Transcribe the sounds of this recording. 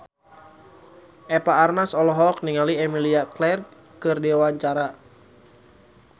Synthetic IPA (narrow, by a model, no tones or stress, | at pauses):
ʔɛpaːrnasɔlɔɦɔk̚niŋaliɛmiliaklɛr | kɨrdiwawaɲt͡ʃaɾa